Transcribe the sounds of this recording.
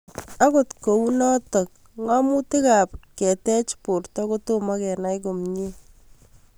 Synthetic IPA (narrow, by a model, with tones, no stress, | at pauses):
a˦ko˨tko˨u˦nɔ˦tɔ˨k̚ | ŋa˦mu˦ti˦ka˨p̚kɛ˨tɛ˦t͡ʃpo˨rtɔ˦ko˦to˦makɛ˨na˦jko˨mɲi˦